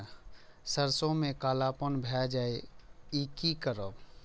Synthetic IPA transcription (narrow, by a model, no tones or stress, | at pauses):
səɾsõmẽkaːlaːpənbʱɛd͡ʒaːeikikəɾə